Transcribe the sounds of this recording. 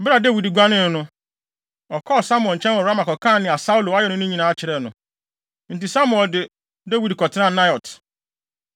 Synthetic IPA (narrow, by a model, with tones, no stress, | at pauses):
bɪ˦ɾa˨de˦wi˨dɡʷa˦nɪ̃˦˨nʊ̃˦ | ɔ˨kʰɔ˦˨sa˦mʊ̃˦˨ɔ̃˨n˨t͡ɕʰɛ̃˦nɔ˨ɾa˦ma˨kɔ˨kʰã˦˨nɪ̃˨a˨sa˦u˦lo˨a˦ɛ˦nʊ̃˦nʊ̃˦ɲĩ˨nãː˨˦t͡ɕʰɪ˨ɾɛ˦˨nʊ̃˨ | n̩˨ti˨sa˦mʊ˦ɛ˨ldɪ˨ | de˦wi˨dkɔ˨tʰɪ˦nã˦˨na˦jɔ˨t